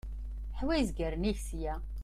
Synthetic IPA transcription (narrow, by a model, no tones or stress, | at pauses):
ħwæjzɡəɾniçsjæ